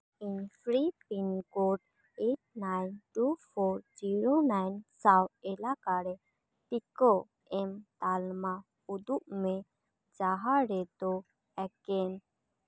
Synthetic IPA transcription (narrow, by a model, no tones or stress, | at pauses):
inpɾipinkoɖ | eʈ̚najnʈupʰɔɾd͡ʒiɾonajnsawɛlakaɾɛ | t̪ikɔ | ɛmt̪alma | ud̪uʔmɛ | d͡ʒaɦaɾɛd̪ɔ | ɛkɛn